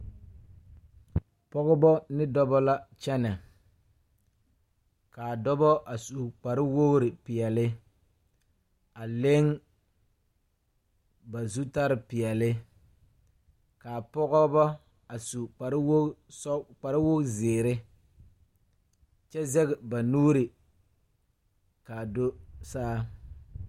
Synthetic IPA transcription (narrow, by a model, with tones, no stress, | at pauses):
pɔ˦ɣɔ˦bɔ˦nɪ˦dɔ˦bɔ˦la˦t͡ʃɛ˦nɛ˨ | kaː˨dɔ˦bɔ˦ʔa˨su˨k͡pa˨ɾɪ˦wo˦ɾɪ˨pɪ˨ɛ˨lɪ˦ | a˨le˦ŋ | ba˨zu˦ta˦ɾɪ˨pɪ˨ɛ˨lɪ˦ | kaː˨pɔ˦ɣɔ˦bɔ˦ | a˨su˨a˨ɾwsk͡pa˨ɾɪ˦wo˦zɪː˨ɾɪ˦ | t͡ʃɛ˦zɛ˦ɡɛ˨ba˨nuː˦ɾɪ˨ | kaː˨do˦saː˦